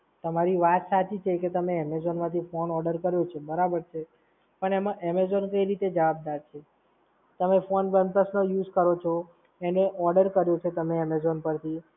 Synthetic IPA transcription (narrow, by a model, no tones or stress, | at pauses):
t̪əmaɾiʋat̪sat͡ʃʰit͡ʃʰeket̪əmeɛmezɔnmãt̪ʰifonɔɖəɾkəɾjot͡ʃʰebəɾabəɾt͡ʃʰe | pəɳemãʔɛmezɔnkəiɾit̪ed͡ʒəʋab̚d̪aɾt͡ʃʰe | t̪əmefonʋənpəsnojud͡ʒkəɾot͡ʃʰɔ | eneʔɔɾɖəɾkəɾjot͡ʃʰet̪əmeɛmezɔnpəɾt̪ʰi